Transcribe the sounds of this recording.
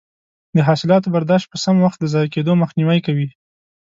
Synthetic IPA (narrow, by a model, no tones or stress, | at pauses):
d̪əɦɑsɪlɑt̪obaɾd̪ɑʃt̪̚pəsamwaxt̪̚d̪əzɑjked̪oməxniwajkawi